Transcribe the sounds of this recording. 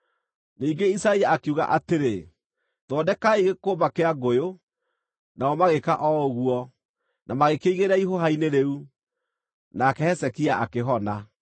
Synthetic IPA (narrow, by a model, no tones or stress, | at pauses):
niːŋɡeisaiaakuɣa̰ʔateɾe | ðɔːdɛkaiɣekoːmakeaɡojo | naɔmaɣekaʔɔoɣuɔ | nʔamaɣekeiɣeɾɛiɦoɦaineɾeu | nakɛhɛsɛkiaʔakeɦɔna